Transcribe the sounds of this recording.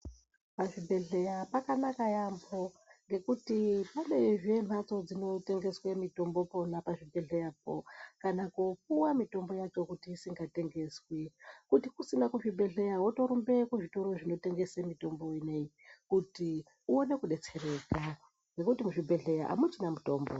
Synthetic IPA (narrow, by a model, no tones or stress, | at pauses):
paʐibʱe̞ɮe̞japakanakajambo̞ | ŋɡe̞kutipane̞ʐem̤at͡so̞d͡zino̞te̞ŋɡe̞swemito̞mbo̞po̞napaʐibʱe̞ɮe̞jap̚o̰kanakopuwamito̞mbo̞jat͡ʃo̞kutiːsiŋɡate̞ŋɡe̞swekutikusinakuʐibʱe̞ɮe̞jawoto̞ɾumbe̞kuʐito̞ɾo̞ʐino̞te̞ŋɡesemito̞mbo̞inei | kuti | uo̞ne̞kuɗe̞t͡se̞reːka | ŋɡe̞kutimuʐibʱe̞ɮe̞jaʔa̰mut͡ʃinamuto̞ːmbo